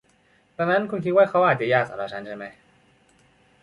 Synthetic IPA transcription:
t̪ɛ˧˩na˦˥nkʰu˧nkʰi˦t̪̚waː˥˩kʰa˦˥wʔaː˨˩t̪̚t͡ɕa˨˧˨jaː˥˩k̚saː˨˩ɾaː˧˩t͡ɕʰa˦˥nt͡ɕʰa˥˩jma˦˥j

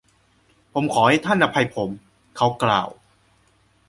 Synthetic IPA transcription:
pʰo˩˦mkʰɔː˩˦ha˥˩jt̪ʰa˥˩nʔa˧pʰa˧jpʰo˩˦m | kʰa˦˥wkla̰ː˧˩w

